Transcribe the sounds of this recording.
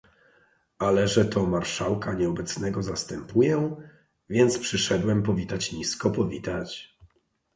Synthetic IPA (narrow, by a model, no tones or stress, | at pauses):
alɛʐɛt̪ʰɔmaɾʂawkaɲɛɔbɛt̪snɛɡɔzast̪ɛmpujɛ | vʲjɛnt̪spʂɘʂɛd̪wɛmpɔvʲit̪at͡ɕɲiskɔpɔvʲit̪at͡ɕ